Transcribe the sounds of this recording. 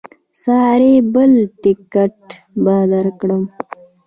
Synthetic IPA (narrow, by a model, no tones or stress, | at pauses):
sɑːɾebəlʈikɐʈ | bɑːd̪ɐɾkɽəm